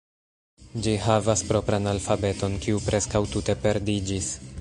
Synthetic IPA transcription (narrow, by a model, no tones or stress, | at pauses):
d͡ʒiɦavaspɾo̞pɾanalfabe̞to̞nkiupɾʔe̞skawtute̞pe̞ɾdid͡ʒis